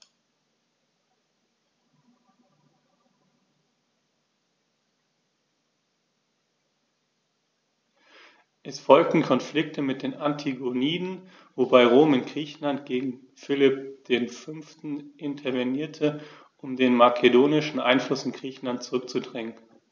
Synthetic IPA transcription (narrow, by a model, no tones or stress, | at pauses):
ʔɛsfɔlk̚tn̩kʰɔnflɪk̚tʰəmɪt̚d̥eːnʔantʰiɡoniːdn̩ | vobaɪʁoːmɪnɡ̥ʁiːçn̩lantɡ̥eːɡŋ̩ | fɪlɪp̚d̥eːnfʏnftn̩ʔɪntʰɐɐveniːɐtʰə | ʔʊmdeːnmakʰedoːnɪʃn̩ʔa̰ɪnflʊsɪnɡʁiːçn̩lant̚t͡suʁʏk̚t͡sudʁɪŋən